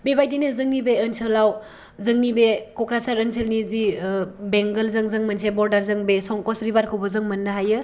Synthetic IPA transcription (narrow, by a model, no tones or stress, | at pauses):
bebajtinɯzɯŋnibeənsɯlaw | zɯŋnibekɔkɾasaɾənsʰelnizibeŋɡəlzɯŋzɯŋmɐnsʰebɔɾdaɾzɯŋbesɔŋkɔsɾibaɾkʰɯwbɔzɯŋmɐnːɯɦajɯ